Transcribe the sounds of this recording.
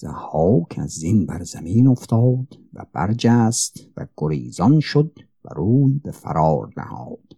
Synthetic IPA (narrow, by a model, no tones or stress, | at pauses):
z̥æhɒːkʰæzinbæɾzæmiːnoft̪ʰɒːd̪̥væ̰b̥æɾd͡ʒæːst̪væ̰ɡ̥oɾiːzɒnʃod̪̚ | bæ̰ɾuːjbefæ̰ɾɒːɾnæ̰hɒ̰ːd̪̥